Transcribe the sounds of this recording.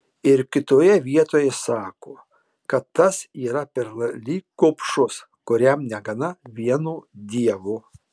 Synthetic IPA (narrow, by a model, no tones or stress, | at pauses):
ɪɾkʲɪt̪oːjɛʋʲiɛt̪oːjɛsɑːkoː | kɐt̪ːɐsiːɾɐpʲɛɾlˠɐlʲiːkoːpʃʊs | kʊɾʲɛmnʲɛɡɐnɐʋʲiɛnuːd̪ʲiɛʋuː